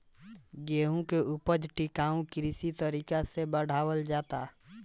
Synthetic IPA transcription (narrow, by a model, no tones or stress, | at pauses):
ɡeːɦũkeupəd͡ʒʈɪkaːũkɾisit̪əɾiːkasebəɽ̤aːwəld͡ʒaːt̪a